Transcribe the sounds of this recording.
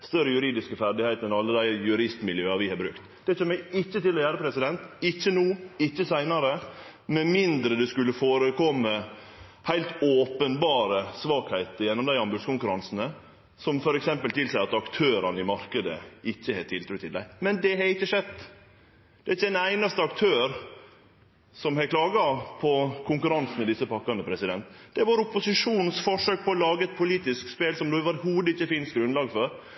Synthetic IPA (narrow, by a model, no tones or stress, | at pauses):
st̪œɾːəjʉɾiːd̪ɪskəfæɾɖ̪ɪhæɪt̪ɛnɑlːəd̪æɪjʉɾɪst̪mɪljøːɑɾʋɪhɑɾbɾʉ̰kt̪d̪̥ɛt͡ʃʰøːmæɪçːət̪ɪlːɔjæːɾəpʰɾɛsɪd̪ɛnt̪ɪçːənuːɪçːəsæɪnɑɾə | mɛmɪnd̪ɾəd̪ɛskʉlːəfoːɾəkʰɔmːə | hæɪlt̪oːpənbɑːɾəsʋɑːkhæɪt̪əjɛnːɔmd̪æɪɑmbʉskʊŋkʉɾɑnsn̩ə | sɔmfɔɾɛksɛmpəlt̪ʰɪlsæɪɑt̪ɑkt̪ʰøːɾɑnəɪmɑɾkəd̪ə̰ɪçːəhɛt̪ʰɪlt̪ʰɾʉːt̪ʰːɪld̪æɪmɛnd̪ɛɦɛɾɪçːəʂɛd̪ː | d̪̥ɛæɾɪçːədɛnæɪnɑst̪əɑkt̪ʰøːɾ | sɔmhɛkʰlɑːɡɑpʰɔkʰʊŋkʉɾɑnsn̩mɛd̪ɪsːəpɑkːɑnəpʰɾɛsɪd̪ɛnt̪d̪̥ɛʋɑɾʊpːʊsɪʂuːnn̩sfɔʂøːk̚pʰɔːlɑːɡəɛt̪̚pʰʊliːt̪ɪskspeːlsɔmd̪ʉɑʋɑɾɪhuːd̪əɪçːəfɪnst̪̚ɡɾʉnlɑːɡfɔɾ